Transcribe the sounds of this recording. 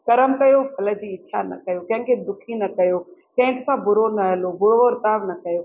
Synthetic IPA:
kɐɾəmkɐjopʰɐləd͡ʑiːɪːʃʰa̰nɐ̰kɐjokɐ̃ɦɪ̃kʰed̪ʊkʰinɐkɐjoːkɐ̃ɦɪ̃ŋksãbʊɾonɐɦəlobʊɽoɾt̪aːʋnɐkɐjoː

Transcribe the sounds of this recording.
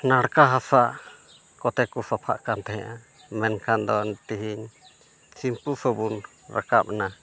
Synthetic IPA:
naɽkaɦasaʔ | kɔt̪ɛkusapʰa̰ʔkant̪ɛɦɛ̃ʔa | mɛnkʰand̪ɔnt̪iɦiɲ | simpusɔbun | ɾa̰ka̰p̚na

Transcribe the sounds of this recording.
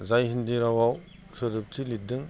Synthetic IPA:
zajɦindiɾawaw | sɯɾɯp̚tʰilit̚dɯŋ

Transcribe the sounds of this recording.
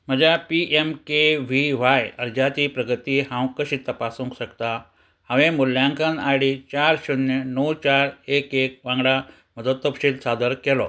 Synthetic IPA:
m̤əd͡ʑjapiʔemkeʋiʋajəɾd͡ʑat̪iːpɾəɡət̪iːhãwkəɕiːt̪əpasũŋkɕəkt̪a | hãʋẽmuljãŋkãnajɽit͡ɕaɾɕunjənəwt͡ɕaɾekek̚ʋãŋɡɽa | məd̪ət̪ːəpɕiːlsad̪əɾkɛlɔ̰

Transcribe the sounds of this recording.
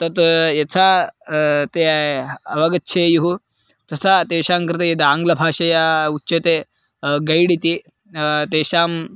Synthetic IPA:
t̪ɐt̪jɐt͡sʰa | t̪eɐʋɐɡɐtːt͡ʃʰejuɦu | t̪ɐsat̪eːɕaːŋkɾɪt̪ejid̪aːŋɡlɐbʱaːʃɐjautːet̪e | ɡɐjɽit̪i | t̪eːɕaːm

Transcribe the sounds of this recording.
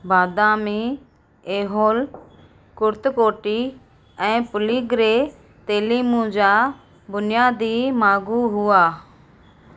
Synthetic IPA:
baːd̪aːmiː | eːɦoːl | kʊɾt̪koːʈiː | ɛ̃ːpʊliːɡɾeː | t̪eːliːmũːd͡ʒaː | bʊnɪjaːd̪iːmaːɡuːɦʊaː

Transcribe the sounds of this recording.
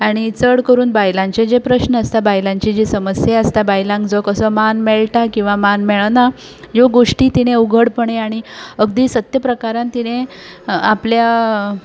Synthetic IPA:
aɽ̃it͡səɽkəɾuːnbajlãɲt͡ɕed͡ʑepɾəɕnəəst̪abajlãɲt͡ɕid͡ʑiːsəməsjeəst̪abajlãŋɡd͡zɔkəsəmanmeɭʈakĩw̃ʋamanmɛɭna | joɡoʂʈiːt̪ineuɡʱəɽpəɳeaɽ̃iəɡd̪iːsət̪jəpɾəkaɾãnt̪ine | aplja

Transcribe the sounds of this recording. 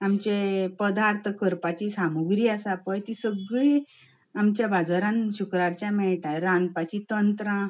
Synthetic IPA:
amt͡ɕepəd̪aɾt̪ʰəkəɾpat͡ɕisamuɡɾiːasapəjt̪isəɡɭi | amt͡ɕjabʱad͡zaɾãnɕukɾaɾt͡ɕjamɛɭʈʰaɾãnpat͡ɕit̪ənt̪ɾã

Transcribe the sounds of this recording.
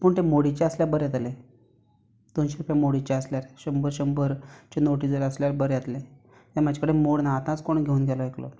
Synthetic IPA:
puːɳt̪emoɽit͡ɕeəsljaɾbəɾjet̪ale | d̪̥onɕeɾupjamoɽit͡ɕeəsljaɾɕəmbəɾɕəmbəɾt͡ɕenoʈid͡zəɾəsljaɾbəɾjet̪le | t̪eamad͡ʑʱakəɽemoɽnaːt̪ãt͡skoɳɡʱeuːnɡʱɛlɔeklɔ̰

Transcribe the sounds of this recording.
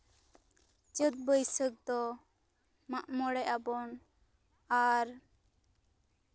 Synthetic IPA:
d͡ʒət̪̚bəjsək̚d̪ɔ | maʔmɔɽɛʔabɔn | aɾ

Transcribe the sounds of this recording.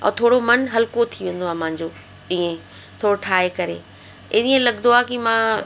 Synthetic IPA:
ɔ̰ːt̪ʰoːɽomɐnɦɐlkot̪ʰiʋẽːn̆d̪oaːmãɦɪ̃ɲd͡ʑoː | ɗĩːẽ | t̪ʰoːɾoʈʰaːɦekɐɾḛ | ɪɗiːẽlɐɠnd̪oaːkimãː

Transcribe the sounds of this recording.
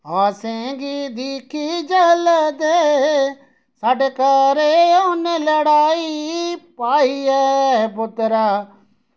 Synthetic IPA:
aːsẽɡid̪iːkʰid͡ʒələd̪eɦ | saːɖekəɾeoːneləɽaːipaːiɛɦɛpʊt̪ɾaː

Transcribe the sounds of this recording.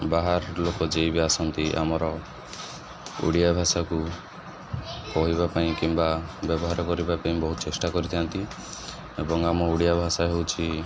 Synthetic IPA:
baɦaɾlokɔd͡ʒejbiasɔnt̪iʔa̰mɔɾɔ | ṵɽijabʱasaku | kɔɦibapaĩkimbabjɔbɔɦaɾɔkɔɾibapaĩbɔɦut̪ɔt͡ʃesʈakɔɾit̪ʰiant̪i | ebɔŋamɔuɽijabʱasaɦewt͡ʃʰi

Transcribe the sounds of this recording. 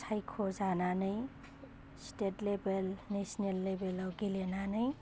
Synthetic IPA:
sʰajkʰozananɯj | sʈeʈlebelnesnelːebelɔwɡilenanɯj

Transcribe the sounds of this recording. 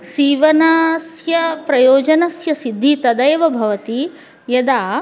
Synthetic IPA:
siːʋɐnaːsjɐpɾɐjoːd͡ʒɐnɐsjɐsid̪ʱːit̪ɐd̪ɐjʋɐbʱɐʋɐt̪i | jɐd̪aː

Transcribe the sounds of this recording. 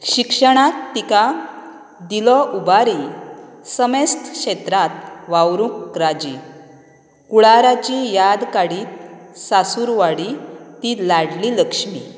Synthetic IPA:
ɕikʂəɽ̃at̪ːika | d̪ilɔubaɾi | səmest̪ʰkɕet̪ɾat̪̚ʋawɾukɾad͡ʑi | kuɭaɾat͡ɕijad̪kaɽiːt̪̚sasuɾʋaɽit̪ilaɽliləkʂmi

